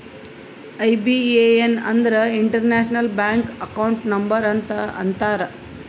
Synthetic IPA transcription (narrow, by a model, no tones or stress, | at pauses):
ɐjbieenɐ̰nd̪ɐɾɐiɳʈɐɾnaːʃnɐlbjaːŋkɐkɐwɳʈnɐmbɐɾɐnt̪ɐɐ̰nt̪aːɾɐ